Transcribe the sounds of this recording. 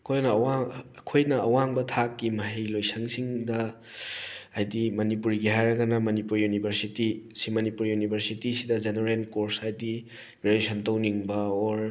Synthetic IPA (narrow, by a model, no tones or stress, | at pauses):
kʰojnɐwakʰojnɐɐwaŋbɐtʰakːimɐɦejlojsʰɐŋsiŋdɐ | ajdimɐnipuɾɡiɦajɾɐɡanɐmɐnipuɾjunibʱɐɾsitisimɐnipuɾjunibʱɐɾsitisidɐd͡ʒeneɾenkoɾsajdi | belesɐntawniŋbɐɔɾ